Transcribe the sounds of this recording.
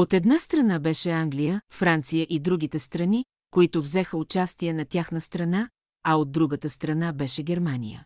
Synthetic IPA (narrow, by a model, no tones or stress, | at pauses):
ot̪ɛd̪nast̪ɾɐnabɛʃɛaŋɡlijəfɾant̪sijəʔid̪ɾuɡ̟it̪ɛst̪ɾɐni | koit̪ʊvzɛxəʊt͡ʃast̪iɛnɐt̪ʲaxnəst̪ɾɐna | ɐod̪̚ːɾuɡət̪əst̪ɾɐnabɛʃɛɡʲɛɾmanḭjə̰